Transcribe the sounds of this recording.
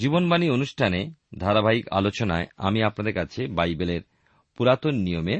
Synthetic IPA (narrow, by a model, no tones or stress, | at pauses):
d͡ʑibonbanionuʃʈʰaned̪ʱaɾabʱaika̰lot͡ɕonaea̰miapnad̪eɾkat͡ɕʰebajbeleɾ | puɾat̪onnijome